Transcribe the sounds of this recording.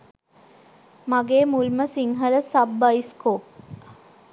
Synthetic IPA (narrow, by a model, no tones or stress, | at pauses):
maɡeːmulməsiŋɦələsabːɐiskoː